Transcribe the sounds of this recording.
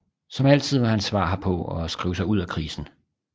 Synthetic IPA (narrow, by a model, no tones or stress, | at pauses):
sɒ̽mæl̰t͡sʰið̞̰ˠʋɑ̈hænsʋɑ̰̈ːɦɑ̈pʰɒ̽ɒsɡ̥ʁḭːʊsɑ̈ɪuð̞̰ˠækʰʁiːsn̩